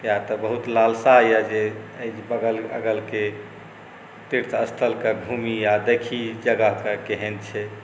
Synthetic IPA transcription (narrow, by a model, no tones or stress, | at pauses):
kjat̪ɔbəɦut̪lalsajad͡ʒeəjd͡ʒbəɡələ̰ɡəlke | t̪iɾt̪ʰəst̪ʰəlkeɡʱumijad̪ekʰid͡ʒəɡəɦkekeɦent͡ʃʰɛ